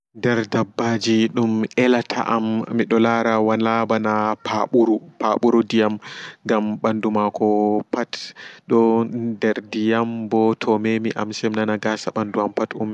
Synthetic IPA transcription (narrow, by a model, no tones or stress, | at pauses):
dɛɾdabːad͡ʒiɗumʔɛlatʰa̰ʔamːiɗɔlaɾawanabanapʰaɓuɾupaɓuɾudijamŋɡamɓandumakʰɔpatɗɔdɛɾdijambɔtʰɔmemiʔa̰msɛmnanaɡasaɓanduampatum